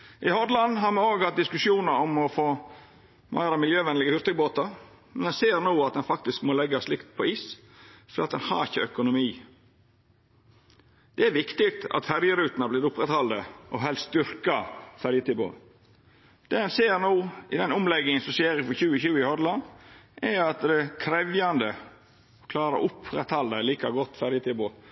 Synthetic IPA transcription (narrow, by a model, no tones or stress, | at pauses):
ʔɪhɔd̪lɑnɦɑɾmɛoːɡhɑt̪̚d̪ɪskʉʂjuːnəɾɔmɔfoː | mʔæ̰ɪɾɑmɪljøːʋɛnlɪɡəhʏɾt̪əboːt̪ɑɾ | mɛnɛnseːɾnuːɑt̪̚d̪ɛnfɑkt̪ɪskmoːlɛɡːɑslɪkt̪̚pʰɔiːs | fɔɾːɑt̪d̪ɛnhɑ̰ɾɪçːəœkʊnʊmiː | d̪̥ɛæɾʋɪkt̪ɪk̚t̪ɑ̰t̪fæɾjəɾʉːt̪nɑblɪːɾʊpːɾɛt̪hɑld̪əʔɔɦɛlsd̪ʏɾkɑfæɾjət̪ʰɪbo̰ː | d̪̥ɛhɛnseːɾnuːʔɪd̪ɛnʊmlɛɡːɪŋənsɔmseːɾɪfɔçʉːəçʉːəɪhɔd̪lɑnʔɛɾɑt̪d̪ɛkʰɾɛʋjɑnd̪ə | ɔkʰlɑːɾə̰ʔʊpɾɛt̪hɑld̪əliːkɑɡɔt̪ːfæɾjət̪ʰɪboː